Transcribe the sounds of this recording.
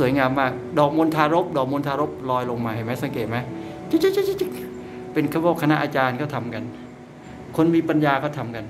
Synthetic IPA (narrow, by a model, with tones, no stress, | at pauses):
su˩˦jŋaː˧mːaː˥˩k̚dɔː˨˩k̚mo˧nt̪ʰaː˧ɾo˦˥p̚dɔː˨˩k̚mo˧nt̪ʰaː˧ɾo˦˥p̚lɔː˧jlo˧ŋmaː˧ha˨˩jma˦˥jsa˨˦ŋkeː˨˩t̪̚ma˦˥jt͡ɕi˦˥t͡ɕi˦˥˩t͡ɕi˥t͡ɕi˦˥t͡ɕi˧˥˩k̚ | pe˧nkʰaː˧˥˩wɔː˥˩kʰa˧na˦˥ʔaː˧t͡ɕaː˧nkʰɔː˥˩t̪ʰa˧mka˧n | kʰo˧nmiː˧pa˧njaː˧kʰɔː˥˩t̪ʰa˧mka˧n